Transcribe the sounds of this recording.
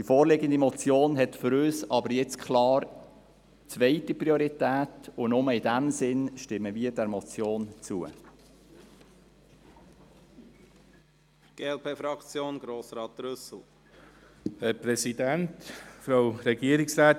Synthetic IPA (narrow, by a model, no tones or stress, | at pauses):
d̥ifoːɾlɪɡənd̪imɔt͡sjoːnɦɛtfʏɾøːsɑbəɾjɛt͡skʰlɑːɾ | t͡svɛɪtipɾioɾitæːtʊnʊməɪdæmsɪnʃtɪmːəʋiədɛɾmɔt͡sjoːnt͡suə̰ | ɡ̥eɛlpʰeːfɾɑkt͡sjoːnɡ̥ɾoːsɾɑːt̪ɾʏsl̩ | hɛɾpɾɛsid̪æntfɾaʊɾɛɡiːəɾɪksɾæːt̪